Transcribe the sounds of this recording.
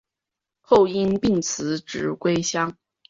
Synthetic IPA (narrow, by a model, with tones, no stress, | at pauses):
xo˥˩ʊi˥npi˥˩ŋt͡sʰɹ̩˧˥ʈ͡ʂɻ̩˨˧˥kwe˥ɪɕjɑ˥ŋ